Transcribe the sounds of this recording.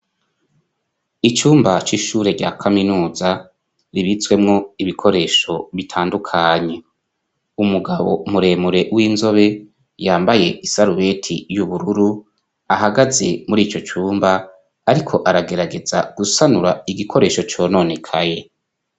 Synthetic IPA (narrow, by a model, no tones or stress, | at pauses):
it͡ʃuːmbat͡ʃiʃuːɾe̞ɟa̰kʰaminuːza | ɾiβit͡swe̞mŋo̞iβikʰo̞ɾe̞ːʃo̞βitʰaːndukʰaːɲe̞ | umuɡaβo̞muɾe̞ːmuɾe̞wiːnzo̞βe̞ | jaːmbaje̞isaɾuβe̞tʰijuβuɾuɾu | aɦaɡaze̞muɾiːt͡ʃo̞t͡ʃuːmbaː | ɾikʰo̞ʔaɾaɡe̞ɾaɡe̞zaɡ̥usanuɾaiɡikʰo̞ɾe̞ːʃo̞t͡ʃo̞ːno̞ne̞kʰaje̞